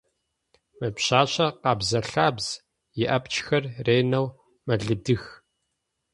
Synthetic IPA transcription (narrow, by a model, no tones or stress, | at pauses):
mɐpɕaːɕɐqɑːbzɐɬaːbz̥ | jɪʔɐpt͡ʃʰʼxɐrreːnɐw | mɐɮɨdɨx